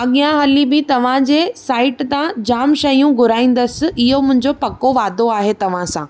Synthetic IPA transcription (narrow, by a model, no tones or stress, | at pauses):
ɐɠijãɦɐlibɪt̪ɐʋ̤ãd͡ʑeːsaːɪʈt̪ãd͡ʑaːmʃɐjũɡʱʊɾaːĩːn̆d̪əsɪ̆ɪɦomʊ̃ɦɪ̃ɲd͡ʑopɐkoʋaːd̪oaːɦet̪ɐʋ̤ãsãː